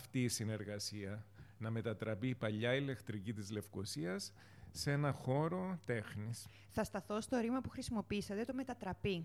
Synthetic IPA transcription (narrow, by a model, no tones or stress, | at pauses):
ft̪iːsine̞ɾɣɐsiɐnɐme̞t̪ɐt̪ɾɐpipɐʎːɐile̞kt̪ɾicit̪izle̞fko̞siɐsː | e̞nɐxo̞ɾo̞t̪e̞xnis | θɐst̪ɐθo̞st̪o̞ɾimɐpuxɾisimo̞piisɐt̪e̞t̪ome̞t̪ɐt̪ɾɐpi